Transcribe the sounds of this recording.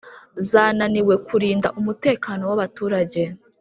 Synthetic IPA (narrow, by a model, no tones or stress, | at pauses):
zaːnaniwe̞kuɾiːndaʔumute̞ːkaːno̞waβatuːɾaɟe̞